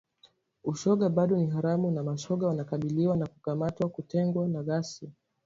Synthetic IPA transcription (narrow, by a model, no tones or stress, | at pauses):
uʃɔɠaɓaɗɔniɦaɾamunamaʃɔɠawanakaɓiliwanakukamatwakutɛŋɡwanaɣasi